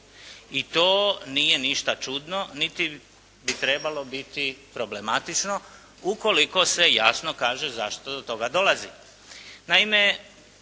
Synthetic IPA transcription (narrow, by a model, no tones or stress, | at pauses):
it̪oːnije̞niʃt̪at͡ʃud̪no̞nit̪i | bit̪ɾe̞balo̞bit̪ipɾo̞ble̞mat̪it͡ʃno̞ | uko̞liko̞se̞jasno̞kaːʒe̞zaʃt̪od̪ot̪o̞ɡad̪o̞lazi | naime